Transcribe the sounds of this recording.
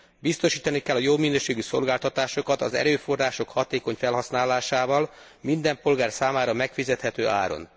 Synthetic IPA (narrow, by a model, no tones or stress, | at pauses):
bist̪o̞ʃiːt̪ɒnikɛlːɒjobminøːʃeːɡyso̞̰lɡaːlt̪ɒt̪aːʃo̞kɒt̪ɒzɛ̰ɾøːfo̞rːaːʃo̞khɒt̪eːko̞ɲfɛlɦɒsnaːlaːʃaːvɒl | mind̪ɛmpo̞lɡaːrsaːmaːɾɒmɛkfizɛt̪hɛt̪øːʔa̰ːɾo̞̰n